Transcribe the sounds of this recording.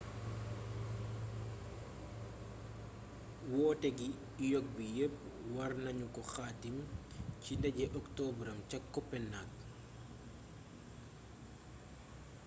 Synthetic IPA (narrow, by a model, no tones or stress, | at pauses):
wɔːtɛɡi | jɔk̚bijəpːwɐrnɐɲukɔxaːtimcindɐɟɛʔɔktɔːbɾɐmcɐkːɔpːɛnːak̚